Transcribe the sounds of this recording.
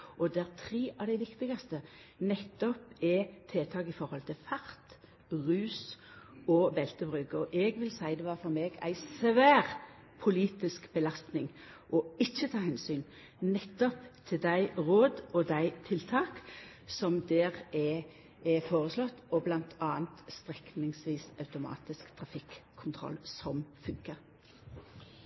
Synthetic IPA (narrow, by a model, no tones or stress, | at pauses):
ɔd̪ɛʁt̪ʰʁeːʔɑʋd̪æɪʋɪkt̪ɪɡɑst̪ə | nɛt̪ːɔpɛt̪ʰeːt̪ʰɑːkɪfɔɾhɔlt̪ʰɪlfɑʁt̪ | ʁʉːs | ɔbɛlt̪əbʁʉːkɔʔɛɡʋɪlsæɪd̪ɛʋɑːfɔɾmeːɡæ̰ɪsʋæːʁ | pʰʊliːt̪ɪskbəlɑst̪nɪŋ | ʔɔɪçːət̪ʰɑːhɛnsyːn | nɛt̪ːɔpt̪ʰɪld̪æɪʁoːd̪ɔd̪æɪt̪ʰɪlt̪ʰɑːk | sɔmd̪ɛːʁɛ | ɛfoːʁəslɔt̪ːɔblɑnt̪ʰɑːnt̪st̪ʁɛknɪŋsʋiːsɑʉt̪ʊmɑ̰ːt̪ɪskt̪ʰʁɑfɪkʰː | ʊnt̪ʰʁɔ̰lsɔmfʉŋkəʁ